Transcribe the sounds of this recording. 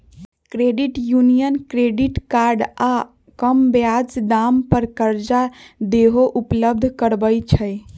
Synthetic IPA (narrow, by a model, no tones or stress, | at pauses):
kɾeɖiʈjunijənkɾeɖiʈkaɾɖa | kəmbjad͡ʒd̪ampəɾkəɾd͡ʒad̪eɦoʔupləb̚d̪ʱkəɾbəjt͡ʃʰəj